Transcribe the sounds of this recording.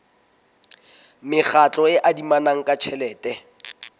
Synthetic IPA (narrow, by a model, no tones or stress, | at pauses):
mɪχʰat͡ɬʼɔɪʔadimanaŋ̩kʼat͡ʃʰɛlɛːtɛ